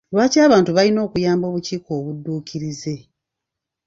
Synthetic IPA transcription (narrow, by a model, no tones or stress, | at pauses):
lwaːcaːβaːntuβalino̞ːkujaːmbo̞ːβuciːko̞ːβudːuːciɾize̞